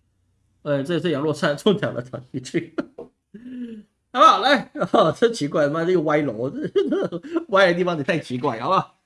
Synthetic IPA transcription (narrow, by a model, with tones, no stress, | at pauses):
ə˥˩ʈ͡ʂɤ˥˩˨ʂɻ̩˥˩jɑ˧˥ŋlwɔ˥˧ʂa˥˧nʈ͡ʂʰʊ˥˩ŋt̪ʰjɑ˨˩ʊd̪ə̰˦t̪ʰa˧˥nt̪y˥˧t͡ɕʰy˥˩˧ | ba˥˩la˧˥ɪ˥˩t͡sə˥˩t͡ɕʰi˧˥k̬wa˥˩ɪ˩ma˥˩nə˥˧ə˧˩wa˧˥ɪlo˧˥n˥˩wa˥ɪlə˧˥t̪i˥˩fɑ˧˥ŋi˨˩t̪ʰa˥˩ɪt͡ɕʰi˧˥k̬wa˥˩ɪjɑ˧˥ʊba˥˩